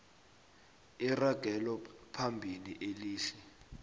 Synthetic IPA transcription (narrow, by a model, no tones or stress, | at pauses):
iraɡ̥ʱɛlɔpʰambʱiliʔeliːɬi̥